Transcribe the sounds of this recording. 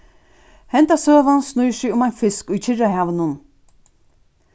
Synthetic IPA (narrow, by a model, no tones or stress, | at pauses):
hɛnt̪asøːvansnujsɪʊmajnfɪskujt͡ʃʰɪraɦaːvɪnʊn